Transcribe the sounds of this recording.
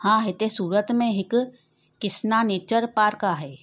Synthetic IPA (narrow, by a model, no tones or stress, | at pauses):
hãːɦɛt̪esuːɾət̪mẽɦɪkː | ɪsnaneːt͡ʃəɾpaːɾkaɦɛː